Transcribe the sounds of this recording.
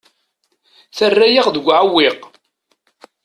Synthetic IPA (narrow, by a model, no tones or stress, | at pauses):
θərːæjiʁðəɡʷʕawːiq